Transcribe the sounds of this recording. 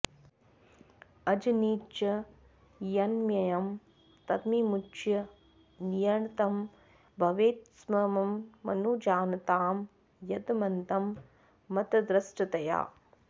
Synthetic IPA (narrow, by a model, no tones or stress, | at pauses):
ɐd͡ʒɐniːt͡ʃɐ | jɐnmjɐjɐm | t̪ɐt̪mimut͡ʃjɐ | nijɐɳɐt̪ɐm | bʱɐʋeːt̪smɐmɐmːɐ̰nuːd͡ʒaːnɐt̪aːm | jɐd̪mɐnt̪ɐmː | ɐt̪ɐd̪ɾɐsʈɐt̪ɐja̰ː